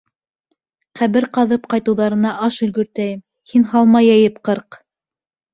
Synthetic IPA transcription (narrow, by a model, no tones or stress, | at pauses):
qæβɘɾqɑðɤpqɑjt̪ɤ̆wðɑɾɤ̆nɑʔɑʃɵ̆lɡɵ̆ɾt̪æjɘm | hinɦɑlˠmɑjæjɘpqɤɾq